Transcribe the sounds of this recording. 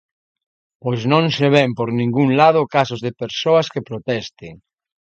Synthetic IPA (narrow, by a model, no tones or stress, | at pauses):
posnõŋʃeβ̞ɛmpoɾnĩŋɡuŋlað̞ʊkasʊzðepeɾsoɐskepɾot̪ɛst̪ɪŋ